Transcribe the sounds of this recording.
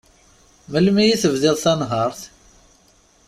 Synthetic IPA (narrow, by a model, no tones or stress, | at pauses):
məlmijiθəvðɪðˤθænɦɑɾˤθ